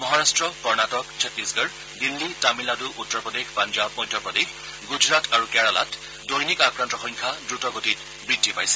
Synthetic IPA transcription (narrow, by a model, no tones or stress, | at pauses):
mɔɦaɹastɹɔkɔɹnatɔkt͡ʃʰɛtɹisɡəɹ | dilːitamiladuʔutːɔɹpɔdexpand͡ʒab̚mɔjdʱːjɔpɔdex | ɡud͡ʒɹataɹukɛɹala̰t | dojnikakɹantɔxɔŋkʰadɹutɔɡotit | bɹidʱːipajsɛ̥